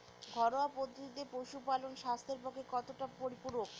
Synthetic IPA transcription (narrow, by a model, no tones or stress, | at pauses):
ɡʱɔɾoapod̪ʱːod̪it̪epowʃupalonʃast̪ʰeɾpɔkʰekɔt̪oʈapoɾipuɾok